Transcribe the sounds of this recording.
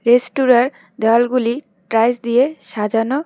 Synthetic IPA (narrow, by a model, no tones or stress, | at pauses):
ɾesʈuɾaɾ | d̪alɡuli | ʈɾajsd̪ijeʃad͡ʑano